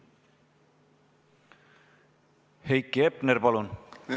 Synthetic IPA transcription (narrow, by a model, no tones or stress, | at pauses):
hejkːiepneɾpɑlun